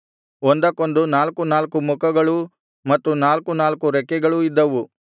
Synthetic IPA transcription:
ond̪ɐkːond̪unaːlkunaːlkumukɐɡɐɭu | mɐt̪ːunaːlkunaːlkuɾɛkːɛɡɐɭuid̪ːɐʋu

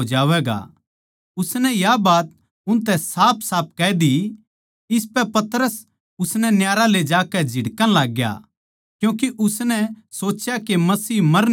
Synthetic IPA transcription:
d͡ʒaːʋɛːɡa̰ | ʊsnɛjabaːt̪̚ | ʊnt̪ɛsaːpʰsaːp̚ʰkɛːd̪i | ɪspɛpɐt̪ɾəs | ʊsnɛnjaːɾaled͡ʒaːkɛd͡ʒʱɪɽkə̃nlaːɡja̰ | kjũːkiʔʊsnɛsoːt͡ʃjakemɐsiːɦmɐɾ

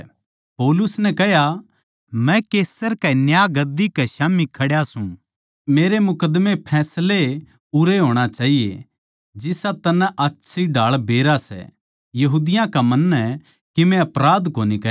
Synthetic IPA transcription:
poːlʊsnɛkɐɦja | mɛ̃keːsəɾkɛnjaɡɐd̪ikɛʃaːmikʰɐɽjasũ | meːɾemʊkəd̪mepʰɛːsle | ʊɾeɦoːɽ̃at͡ʃaːɦijḛ | d͡ʒɪsat̪ɐnɛ̃ʔɐtːʃʰiɖʱaːɭbeːɾasɛ̰ | jɐɦuːd̪ɪjãkamɐnːɛ | kimɛ̃ɐpɾaːd̪koːnikɐ

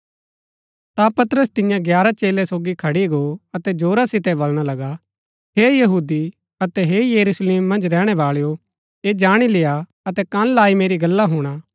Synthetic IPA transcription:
t̪apɐt̪ɾəst̪ɪ̃jãɡjaːɾat͡ʃeːlɛsoːɡikʰɐɽiɡoɐt̪ɛd͡ʒoːɾasɪt̪ɛbɐlɽ̃alɐɡa | ɦejɐɦuːd̪i | ɐt̪ɛɦejɐɾusleːmːɐ̃nd͡ʒɾɛːɽ̃ɛbaːɭjo | eːd͡ʒaːɽ̃ileja | ɐt̪ɛkɐ̃nlaːimeːɾiɡɐlːaɦuːɽ̃aː

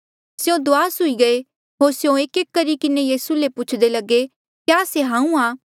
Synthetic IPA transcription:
sjõd̪ʊaːsʊiɡɐe | ɦoːɾsjõeːkeːkːɐɾikɪnejiːsulepʊt͡ʃʰd̪elɐɡe | kjaːseɦãːũaː

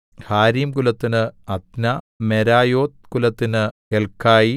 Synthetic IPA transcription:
haːɾiːmkulɐt̪ːinɨɐt̪nɐ | meɾaːjoːt̪̚kulɐt̪ːinɨkelkʰːaːji

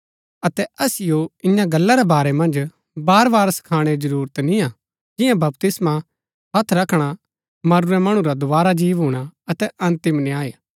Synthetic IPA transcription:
ɐt̪ɛɐsɪjoɪjãɡɐlːaɾɛbaːɾɛmɐ̃nd͡ʒ | baːɾbaːɾsɐ̥kʰaːɽ̃eɾid͡ʒɐɾuːɾət̪nĩja | d͡ʒɪ̃jãbɐpt̪ɪsma | ɦɐt̪ʰɾɐkʰɽ̃a | mɐɾʊɾɛmɐɽ̃ũɾad̪ʊʋaːɾad͡ʒiːʋɦuːɽ̃aɐt̪ɛʔɐ̃nt̪ɪmnɪaːe

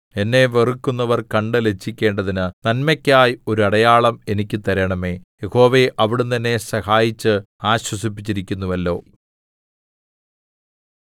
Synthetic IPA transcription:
e̞nːe̞ʋerukːunːɐʋɐrkɐɳɖɨle̞t͡ɕʰːikʲːe̞ːɳɖɐðinɨnɐnmɐkʲːaːjio̞ɾuɐɽɐjaːɭɐme̞nikʲːɨt̪ɐɾɐɳɐme̞ːje̞ho̞ːʋeʔɐʋiɽumt̪ɐnːe̞sɐhaːjit͡ɕːɨ | aːɕwɐsip̬ːi̥t͡ɕːiɾikʲːunːuʋɐlːo̞̰ː

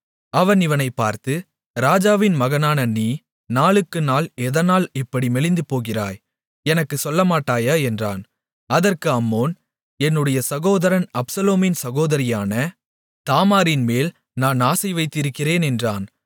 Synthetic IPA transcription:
ɐʋɐnɪʋɐnɐɪpːaːɾt̪ɯ | ɾaːd͡ʒaːʋɪnmɐɣɐnaːnɐniː | naːɭɯkːɯnaːlɛðɐnaːlɪpːɐɽimɛɭɪnd̪ɯpoːɣɪra̰ːj | ɛnɐkːɯsɔlːɐmaːʈːaːjaɛndraːn | ɐðɐrkɯɐmːoːn | ɛnːɯɽɐjɐsɐɣoːðɐɾɐnɐpsɐloːmɪnsɐɣoːðɐɾɪjaːnɐ | t̪aːmaːɾɪnmeːl | naːnaːsɐɪʋɐɪt̪ːɪɾɯkːɪreːnɛndraːn

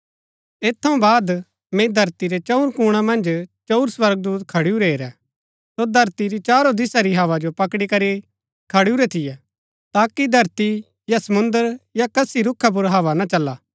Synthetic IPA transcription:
eːt̪ʰːɐũbaːd̪ | mɛ̃id̪ʱɐɾt̪iɾɛt͡ʃɐuɾkuːɽ̃ãmɐ̃nd͡ʒt͡ʃɐʊɾswɐɾɡ̚d̪uːt̪kʰɐɽiuɾeeːɾɛ | sod̪ʱɐɾt̪iɾit͡ʃaːɾod̪ɪsaɾiɦaːʋad͡ʒopɐkɽikɐɾi | kʰɐɽiuɾɛt̪ʰɪjɛ | t̪aːkid̪ʱɐɾt̪i | jasɐmʊ̃nd̪əɾjakɐsiɾʊkʰːap̬ʊɾɦaːʋanat͡ʃɐlːaː

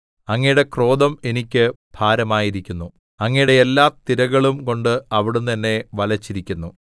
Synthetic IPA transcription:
ɐŋːɐjuɽe̞kro̞ːd̪ɐme̞nikʲːɨb̪̥ʱaːɾɐmaːjiɾikʲːunːu | ɐŋːɐjuɽe̞elːaːt̪iɾɐɣɐɭumko̞ɳɖɨɐʋiɽumt̪ɐnːe̞ʋɐlɐt͡ɕːiɾikʲːunːu

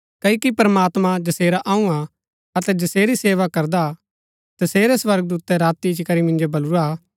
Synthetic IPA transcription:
kɐikipɐɾmaːt̪mãd͡ʒɐseːɾaʔaːũa | ɐt̪ɛd͡ʒɐseːɾiseːʋakɐɾd̪a | t̪ɐseːɾɛsʋɐɾɡəd̪uːt̪ɛɾaːt̪ːit͡ʃkɐɾimɪ̃nd͡ʒobɐluɾa

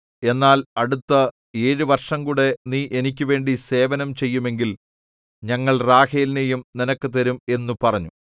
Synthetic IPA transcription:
e̞nːaːlɐɽut̪ːɐ | e̞ːɻuʋɐrʂɐmkuːɽe̞niːʔe̞nik̬ʲːuʋe̞ːɳɖise̞ːʋɐnɐmt͡ɕe̞jːume̞ŋɡil | ɲɐŋːɐɭraːheːlnejumninɐkːɨt̪ɐɾume̞nːupɐrɐɲːu

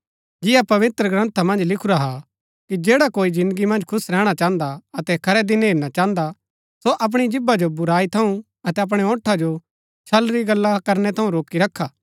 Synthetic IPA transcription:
d͡ʒɪjapɐʋɪt̪ɾəɡɾɐ̃nt̪ʰamɐ̃nd͡ʒlɪkʰʊɾaɦa | kid͡ʒeːɽakoːid͡ʒɪ̃nd̪əɡimɐ̃nd͡ʒkʰʊsɾɛːɽ̃at͡ʃãːnd̪aɐt̪ɛkʰɐɾɛd̪ɪnɦeːɾnat͡ʃãːnd̪a | soʔɐp̬ɽ̃id͡ʒɪbad͡ʒobʊɾaːit̪ʰɐũ | ɐt̪ɛɐp̬ɽ̃ɛɔ̃ːʈʰːad͡ʒo | t͡ʃʰɐlɾiɡɐlːakɐɾnɛt̪ʰɐũɾoːkiɾɐkʰːaː

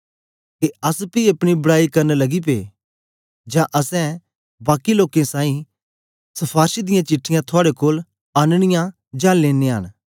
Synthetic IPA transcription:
keɐspiɐpɽ̃ibɐɽaːikɐɾnelɐɡip̬ḛː | d͡ʒãʔɐsɛ̃ | baːkiloːkẽsãːĩ | sɐpʰaːɾʃid̪ɪjãt͡ʃɪʈʰːɪjãt̪ʰʊaːɽekoːl | aːnɽ̃ɪjã | d͡ʒãːleːnẽɦə̰n

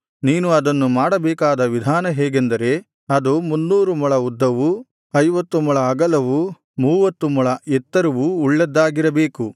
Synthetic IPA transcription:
niːnuɐd̪ɐnːumaːɽɐbɛːkaːd̪ɐʋid̪ʱaːnɐɦɛːɡend̪ɐɾe̞ | ɐd̪umunːuːɾumɐɭɐud̪ːɐʋu | ɐjʋɐt̪ːumɐɭɐːɡɐlɐʋu | muːʋɐt̪ːumɐɭɐɛt̪ːɐɾuʋuːɭːɐd̪ːaːɡiɾɐbeːku

